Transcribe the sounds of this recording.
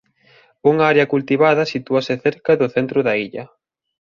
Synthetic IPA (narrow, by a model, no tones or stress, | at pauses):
uŋɐaɾeɐkult̪iβaðɐsit̪uɐsɪθeɾkɐðʊθent̪ɾʊðɐiʎɐ